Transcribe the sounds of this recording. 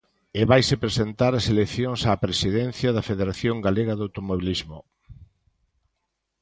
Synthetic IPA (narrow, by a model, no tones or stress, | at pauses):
eβajsepɾesent̪aɾɐselekθjoŋsaːpɾesiðen̟θjɐðɐfeðeɾaθjoŋɡaleɣɐðowt̪omoβilizmo